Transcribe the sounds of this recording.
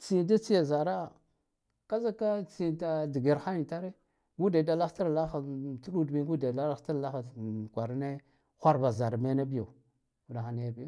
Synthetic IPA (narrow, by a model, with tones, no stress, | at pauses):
t͡si˨d̬a˦t͡si˦ja˨za˨ɾa˦˨ | ka˦za˦ka˦t͡si˦˨ta˨di˨ɡe˨ɾxa˦ji˨ta˦ɾe˦ | ɡu˦da˨i˨da˦la˦xta˦ɾla˦xa˨tu˦ɗu˦dmi˦ŋɡu˦da˨da˦la˦ta˦ɾla˦xa˨kʷa˨ɾne˦ | xʷa˦ɾba˨za˨ɾa˨me˦na˦bi˦jo˨ | u˨da˨xa˨n˦ja˦bi˦j